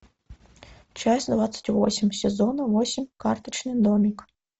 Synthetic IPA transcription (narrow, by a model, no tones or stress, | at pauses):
t͡ʃɛsʲd̪ʋɑt̪t͡ssʲːɐ̥tʲʋɔ̰sʲimʲsʲezɔnɐʋɔsʲimkɑrt̪ɪt͡ʃnɪjd̪ɔmʲik